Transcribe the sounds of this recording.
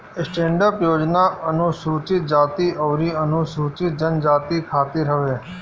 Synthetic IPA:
sʈẽːɳɖəpjoːd͡ʒnaənusuːt͡ʃɪt̪̚d͡ʒaːt̪iʔəʋɾiːənusuːt͡ʃɪt̪̚d͡ʒənd͡ʒaːt̪ikʰaːt̪iɾɦəʋeː

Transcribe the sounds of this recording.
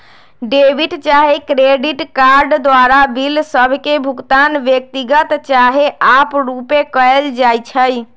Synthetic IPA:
ɖebʱiʈt͡ʃaɦekɾeɖiʈkaɾɖd̪ʋaɾabilsəbʱkebʱukt̪anʋjək̚t̪iɡət̪t͡ʃaɦeʔapɾupekəɛeld͡ʒajt͡ʃʰəj

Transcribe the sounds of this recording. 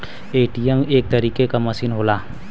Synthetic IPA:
eːʈijɛmeːk̚t̪ɐɾiːkekamɐsiːnɦoːlaː

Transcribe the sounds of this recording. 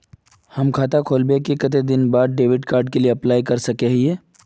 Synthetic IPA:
hɐmkʰaːt̪akʰoːlbekekɐt̪̬ed̪ɪnbaːd̪̚ɖeːʋɪɖkaːɾɖ̚kelieɐplaːikɐɾsɐkeɦieː

